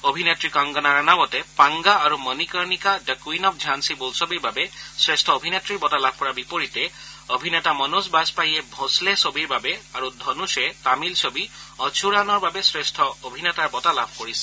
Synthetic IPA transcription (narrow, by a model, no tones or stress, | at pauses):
obʱinetɹikɔŋɡɔnaɹanawɔtɛpaŋɡaːɹumɔnikɔɹnikadəkuinɔp̚ʰd͡ʒʱansibolsɔbiɹbabɛsɹestʰɔobʱinetɹibɔtalab̚ʱkɔɹabipoɹitɛobʱinɛtamɔnusbazpajɛbʱɔslɛsobiɹbabɛaɹudʱɔnusɛtamilsobiɔt͡ʃʰuɹanɔɹbabɛsɹestʰɔobʱinɛtaɹbɔtalabʱkoɹisɛ̥